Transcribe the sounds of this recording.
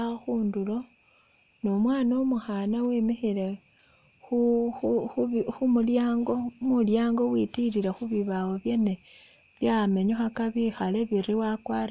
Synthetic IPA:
axuːndulo̞ | nomwaːnomuxanawemixile | xu | xumuljaːŋɡo̞muljaːŋɡo̞witiliɾexuβiβawoβje̞ne | βjame̞ɲoxakaβixale̞βiɾiwakwar

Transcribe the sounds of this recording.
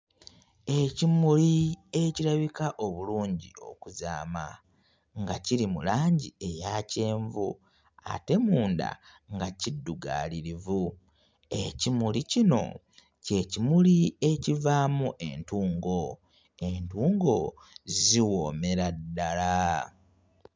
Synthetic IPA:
ecimulieciɾaβikaʔo̞βuluːɲɟḭo̞̰kuza̰ːma̰ | ŋɡaciɾimṵlaːɲɟie̞jace̞ːɱvṵ | a̰te̞muːnda̰ | ŋɡacidːuɡa̰ːliɾivu | e̞cimulicino̞̰ | ce̞cimulie̞civaːmuʔe̞ntuːŋɡo̞ | entuːŋɡo̞ | ziwoːme̞ɾadːala

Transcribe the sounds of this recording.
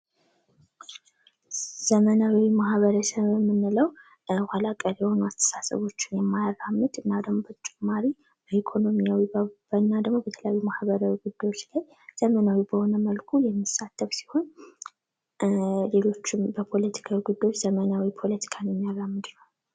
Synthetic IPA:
z̥əmənawwimahβəɾəsəβmːɨnːɨləw | wʷalakʼːəɾjɛho̞nuast̪ʰə̥sasə̰βo̞t͡ʃːɪnjɛmːajarːamːɨd̪ɨnːad̪əɡmobət͡ʃʼɪmːaɾi | b̥əʔikʰo̞no̞mijawibənːad̪əɡmo̞bət̪ʰələjawjumahbəɾawiɡud̪ːajwo̞t͡ʃːlaj | z̥əmənawibəho̞nəməlkʰujɛmːisːat̪ʰːəfsi̥ho̞n | le̞lo̞t͡ʃːɪmbəpʰo̞lət̪ʰi̥kʰawiɡud̪ːajwot͡ʃːz̥əmənawipʰo̞lət̪ʰi̥kʰanjɛmːijaramːɨd̪nəw

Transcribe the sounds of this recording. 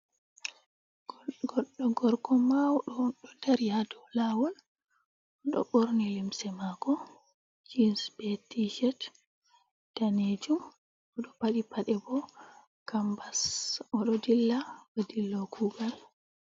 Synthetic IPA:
ɡɔɗːɔɡɔɾkɔmawɗɔɗɔdaɾijadɔwlawɔl | ɔɗɔ̰ɓoɾnilimsɛmaɡɔ | d͡ʒinsbetiʃɛt | d̥aned͡ʒum | ɔɗɔpaɗipaɗɛbɔ | kambasɔɗɔdilːabadilːɔkʰuːɡal

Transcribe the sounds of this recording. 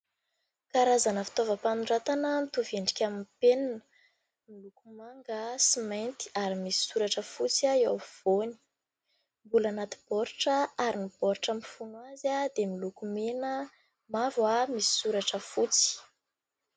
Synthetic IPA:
kaɾazanəfi̥t̪ovəpanuɳɖ͡ʐat̪anəmit̪uveɳɖ͡ʐikʲamimpeninə | milukumaŋɡasimajnt̪i̥aɾimisi̥suɾaʈ͡ʂəfut͡saiewv̥oni̥ | mbulanat̪i̥b̥ɔɾʈ͡ʂəaɾinib̥ɔɾʈ͡ʂəmifunuwazad̪emilukumenə | mavwamisi̥suɾaʈ͡ʂəfut͡si̥

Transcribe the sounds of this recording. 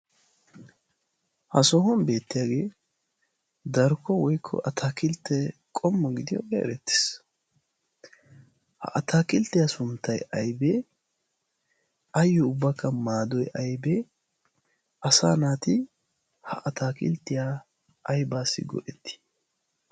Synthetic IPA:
hɐsɔɦɔnbe̞ːt̪ːɪjaːɡe̞ː | d̪ɐɾkʰːɔwɔjkʰːɔ̰ʔɐt̪ʰaːkɪlt̪ːɛkʼɔmːɔɡɪd̪ɪjɔ̰ɡɛɛ̰ɾɛt̪ːɪ̥s | hɐ̰ʔɐt̪aːkɪlt̪ːɪjasʊmt̪ːɐjɐjbeː | ɐjːɔʊbːɐkʰːɐmaːd̪ɔjʔɐjbeː | ɐsa̰ːnaːt̪ɪ | hɐʔɐt̪ʰaːkɪ̰lt̪ːɪjaː | ʔɐjbaːsːɪ̰ɡɔ̰ʔɛt̪ːɪ̥

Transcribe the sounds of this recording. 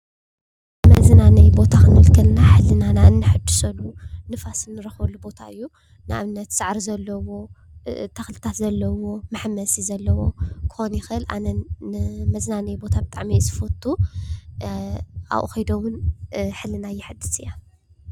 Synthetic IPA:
mɐznanɐjbo̞t̪ʰakʰɨnɐlkʰɐlnaħɨlːɨnanaɨnːɨħɨd̪ɨsɐlunɨfasɨnːɨɾɐxβɐlːubo̞t̪ʰaɨjːu | nɨʔa̰βnːɐt̪sɨʕɾizɐlːɐwo̞t̪ʰɐxlɨt̪ʰat̪zɐlːɐwo̞mɨħmɐsizɐlːɐwo̞kʰɨ̥xonjɪxʔɨlʔa̰nɐnmɐznanɐjbo̞t̪ʰabɨt̪ʼaʕmizɨfɐt̪ʰʼːu | a̰ʔʔxɐjd̪owʊnħɨlːɨnajːɪħɨd̪ɨsʼɨja

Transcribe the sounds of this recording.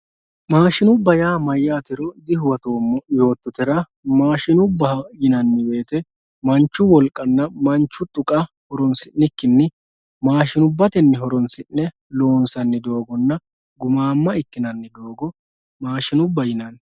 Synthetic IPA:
maːʃɪnʊbːɐjaːmɐjːaːt̪ɪɾɔd̪ɪhʊwɐt̪o̞ːmːɔjo̞ːt̪ːʊt̪ɛɾɐ | maːʃɪnʊbːɐjɪnɐnːɪbe̞ːt̪ɛ | mɐnt͡ʃːʊwɔlkʼɐnːɐmɐnt͡ʃːʊt̪ʼʊkʼɐ | hɔɾɔnsɪnːɪkːɪnːɪ | maːʃɪnʊbːɐt̪ɛnːɪɦɔɾɔnsɪnːɛ | lo̞ːnsɐnːɪd̪o̞ːɡɔnːɐ | ɡʊmaːmːɐɪkːɪnɐnːɪd̪o̞ːɡɔ | maːʃɪnʊbːɐjɪnɐn

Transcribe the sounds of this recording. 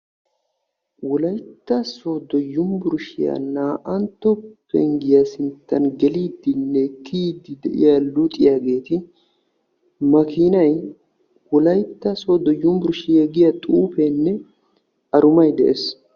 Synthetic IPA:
wɔlɐjt̪ːɐso̞ːd̪ɔjʊmbʊɾʃɪjɐ̰naːʔɐnt̪ːɔpːɛ̰ŋɡɪjasɪnt̪ːɐnɡɛliːd̪ːɪnːɛkʰːiːd̪ːɪd̪ɛʔɪ̰jalʊt̪ʼɪjaːɡe̞ːt̪ɪ | mɐkiːnɐj | wɔlɐjt̪ːɐsoːd̪ɔjːʊmbʊɾʃɪjɛɡɪjɐt̪ʼuːpɛnːɛ | ɐɾʊmɐjd̪ɛʔes

